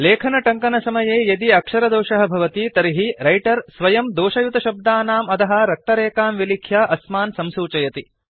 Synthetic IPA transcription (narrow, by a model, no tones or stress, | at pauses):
leːkʰɐnɐʈɐŋkɐnɐsɐmɐjeːjɐd̪iɐkʂɐɾɐd̪oːʃɐɦɐ̆bʱɐʋɐt̪it̪ɐɾiɦiɾɐjʈɐɾsʋɐjɐmd̪oːʃɐjut̪ɐʃɐb̚d̪aːnaːmɐt̪ɐɦɐ̆ɾɐk̚t̪ɐɾeːkaːmʋilikʰjaːʔɐsmaːnsɐmsuːt͡ʃɐjɐt̪i